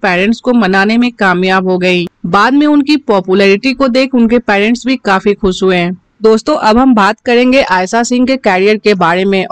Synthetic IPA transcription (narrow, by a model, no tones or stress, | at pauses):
pɛːɾɛ̃ɳʈskomɐnaːnemẽkaːmjaːbɦoɡɐiːbaːd̪mẽʊnkipɔːpjulɛːɾɪʈikod̪eːkʰʊnkepɛːɾɛ̃ɳʈsbʱikaːfixʊʃɦʊeɦɛ̃ː | d̪oːst̪õʔɐbɦɐmbaːt̪kɐɾẽːŋɡeʔaːjsasɪ̃ŋɡkekɛːɾijəɾkebaːɾemẽ